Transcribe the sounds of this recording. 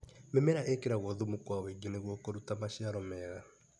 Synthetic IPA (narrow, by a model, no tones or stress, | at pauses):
memɛɾaʔekeɾaɣwɔðumukwaweɡineɣwɔkoɾutamaɕiaɾɔmɛːɣa